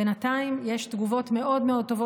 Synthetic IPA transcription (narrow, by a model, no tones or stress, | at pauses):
enat̪aimje̞ʃt̪ɡuvo̞t̪me̞ʔo̞dmeo̞d̚t̪ːo̞vo